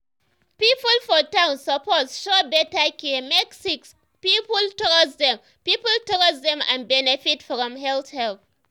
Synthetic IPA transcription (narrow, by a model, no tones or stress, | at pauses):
pipəlfɔtãʊ̃nsəpɔtsʃɔbɛtakɛmɛksiks | pipultɔɔsdɛ̃m | pipəltɔɔzdɛ̃mã̰nbɛnɛfitfɹɔ̃mɦɛlθhɛlθ